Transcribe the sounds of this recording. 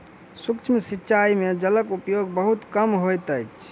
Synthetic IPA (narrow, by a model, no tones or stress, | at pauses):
sukt͡ʃʰmsitːt͡ʃʰaimed͡ʒələkupjoɡbəɦut̪kəmɦojt̪əjt͡ʃʰ